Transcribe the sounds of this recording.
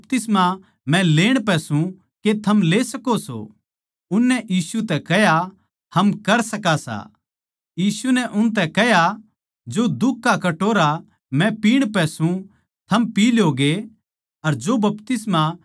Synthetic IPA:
pt̪ɪsma | mɛ̃leːɽ̃pɛsũ | ket̪ʰɐmleːsɐkoso̰ | ʊnːɛʔjiːsut̪ɛkɛɦja | hɐmkɐɾsɐkasa̰ | jiːsunɛʔʊnt̪ɛkɛɦja | d͡ʒod̪ʊkːakɐʈoːɾa | mɛ̃piːɽ̃pɛsũ | t̪ʰɐmpiːloːɡe | ɐɾd͡ʒobɐpt̪ɪsma

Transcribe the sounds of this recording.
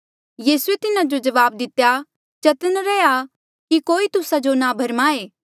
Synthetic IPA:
jiːsuet̪ɪnãd͡ʒod͡ʒɐʋaːb̚d̪ɪt̪ːja | t͡ʃɐt̪ənɾɛːja | kikoːit̪ʊsad͡ʒonabʱɐɾmaːeː

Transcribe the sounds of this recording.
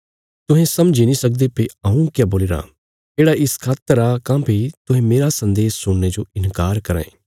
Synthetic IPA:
t̪ʊɦẽsɐmd͡ʒinĩsɐk̚d̪epiɐũkjaboːlɪɾa̰ | eːɽaɪskʰaːt̪ːəɾakãːpʰit̪ʊɦẽmeːɾasɐ̃nd̪eːssʊɳːed͡ʒoɪnkaːɾkɐɾã̰ẽː

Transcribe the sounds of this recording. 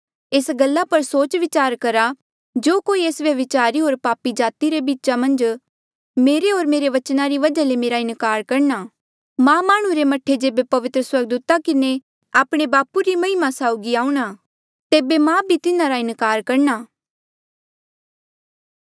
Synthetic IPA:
eːsɡɐlːapɐɾsoːt͡ʃʋɪt͡ʃaːɾkɐɾa | d͡ʒoːkoːieːsʋjɐʋɪt͡ʃaːɾiɦoːɾpaːpid͡ʒaːt̪iɾebiːtːt͡ʃamɐ̃nd͡ʒ | meːɾeɦoːɾmeːɾeʋɐt͡ʃnaɾiʋɐd͡ʒalemeːɾaɪ̃nkaːɾkɐɾnaː | mãːmaːɽ̃uɾemɐʈʰed͡ʒeːbepɐʋɪt̪ɾəswɐɾɡ̚d̪uːt̪akɪne | aːpɽ̃ebaːpuɾimɐ̃ɪmasaːʊɡiaːũɽ̃aː | t̪eːbemãːbʱit̪ɪnãɾaɪ̃nkaːɾkɐɾnaː

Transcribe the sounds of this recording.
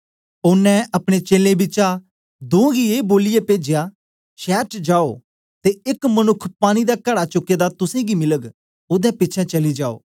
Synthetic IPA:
ʊnːɛ̃ɐpɽ̃et͡ʃeːlẽbɪt͡ʃa | d̪õːɡieːboːlɪjepeːd͡ʒejaː | ʃɛːʈd͡ʒaːoː | t̪eɪkmənʊkʰːpaːɽ̃id̪aːkəɽat͡ʃʊkːeːd̪at̪ʊsẽːɡimɪləɡ | ʊd̪ɛ̃ːpɪtːt͡ʃʰɛ̃ːt͡ʃɐlid͡ʒaːo̰ː

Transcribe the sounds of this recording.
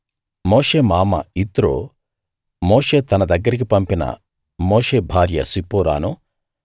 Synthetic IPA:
moːʂeːmaːmɐ̰it̪ɾo̰ː | moːʂe̞ːt̪ɐnɐd̪ɐɡːɐɾik̬ipɐmpinɐ̰ | moːʂe̞ːbʱaːɾjɐ̰sipuːɾa̰ːnu

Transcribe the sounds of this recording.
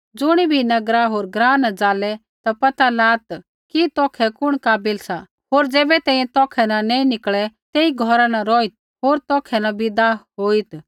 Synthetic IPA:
d͡zʊɽ̃ibʱinɐɡɾaɦoːɾɡɾãːnad͡zaːlɛ | t̪apɐt̪alaːt̪ | kit̪ɔːkʰɛkʊɽ̃kaːbɪlsa | ɦoːɾd͡zɛːbɛt̪ɛ̃ːĩjɛ̃t̪ɔːkʰɛnanɛ̃ːĩnɪkɭɛt̪eːiɡʱɔɾanaɾɔːit̪̚ | ɦoːɾt̪ɔːkʰɛnabɪd̪aɦoːit̪

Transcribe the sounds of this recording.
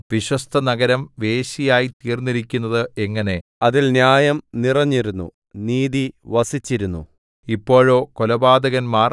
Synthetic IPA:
ʋiɕwɐst̪ʰɐnɐɡɐɾɐmʋe̞ːɕijaːjit̪iːrniɾikʲːunːɐðɨeŋːɐne̞ɐðilnjaːjɐmnirɐɲːiɾunːṵ | niːðiʋɐsit͡ɕːiɾunːṵ | ipːo̞ːɻo̞ːkolɐbaːd̪ɐɣɐnmaːr

